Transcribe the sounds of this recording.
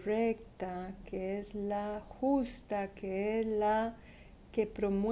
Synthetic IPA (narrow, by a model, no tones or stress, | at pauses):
rekt̪akeezlaxust̪akeesla | ke̞pɾo̞mw